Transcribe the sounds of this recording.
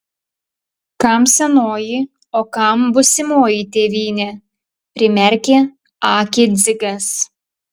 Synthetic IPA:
kɐˑmsʲɛnoːjɪ | oːkɐˑmbʊsʲɪmoːjɪt̪ʲeːʋʲiːnʲɛ | pʲɾʲɪmʲɛɾʲkʲeː | ɑːkʲɪzʲɪɡɐs

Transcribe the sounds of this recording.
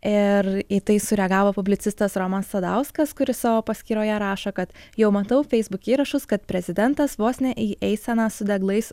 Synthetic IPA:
ɪɾɪt̪ɐɪsʊɾʲɛɡɑːʋoːpʊbʲlʲɪt̪sʲɪst̪ɐsɾoːmɐsːɐd̪ɐʊskɐskʊɾʲɪssɑːʋoːpɐsʲkʲiːɾoːjɛɾɑːʃɐkɐt̪jɛʊmɐt̪ɐʊfʲɛɪzbʊkʲiːɾɐʃʊskɐt̪̚pʲɾʲɛzʲɪd̪ʲɛnt̪ɐsʋoːsʲnʲɛʔiːʔɛɪsʲɛnɑsʊd̪ʲɛɡlˠɐɪs

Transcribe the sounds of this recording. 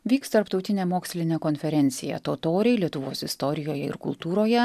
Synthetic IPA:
ʋʲiːkst̪ɐɾpt̪ɒʊt̪ʲɪnʲeːmoːksʲlʲɪnʲeːkonʲfʲɛɾʲɛnʲt̪sʲɪjɛ̰t̪oːt̪oːɾʲɛɪlʲiɛt̪ʊʋoːsɪst̪ɔɾʲɪjoːjɛɪ̰ɾkʊ̰lˠt̪uːɾoːjɛ

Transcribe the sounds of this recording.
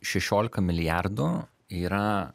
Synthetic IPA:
ʃʲɛʃʲoːlʲɪkɐmʲɪlʲɪjærd̪ʊ | iːɾɐ

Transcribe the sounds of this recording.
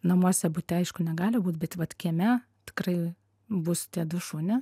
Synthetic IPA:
nɐmuɔsʲɛbʊt̪ʲɛɐɪʃkʊnʲɛɡɑːlʲɪbuːt̪bʲɛt̪ʋɐt̪kʲiɛmʲɛ | t̪ʲɪ̥krɐɪ | bʊst̪ʲiɛd̪ʊʃuːnʲɪ

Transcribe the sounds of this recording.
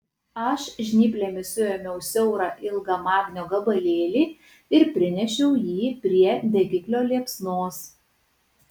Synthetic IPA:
ɐʃʒʲnʲiːpʲlʲɛːmʲɪsʊɛmʲɛʊsʲɛʊɾɑʔɪlˠɡɑːmɑːɡnʲoːɡɐbɐlʲeːlʲiː | ɪɾpʲɾʲɪnʲɛʃʲɛʊjiːpʲɾʲiɛd̪ʲɛɡʲɪklʲoːlʲiɛpsnoːs

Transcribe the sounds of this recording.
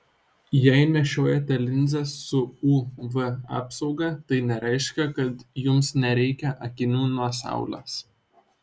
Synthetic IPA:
jɛɪnʲɛʃʲoːjɛt̪ʲɛlʲɪnʲzʲɛsːʊuːʋɨɑ̰ːpsɒʊɡɐˑt̪ɐɪnʲɛɾɛɪʃʲkʲɛkɐt̪jʊmsnʲɛɾʲɛɪkʲɛʔɐkʲɪnʲuːnuɔsɑ̰ˑʊlʲḛːs

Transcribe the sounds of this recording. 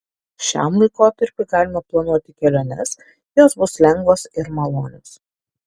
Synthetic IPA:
ʃʲæ̰mlˠɐɪkoːt̪ɐɾʲpʲɪɡɑːlʲɪmɐplˠɐnuɔt̪ʲɪkʲɛlʲoːnʲɛs | joːsbʊslʲɛŋɡʋoːsɪɾmɐlˠoːnʲoːs

